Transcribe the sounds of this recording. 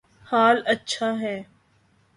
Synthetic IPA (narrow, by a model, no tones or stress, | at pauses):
haːlɐtːʃʰaɦɛː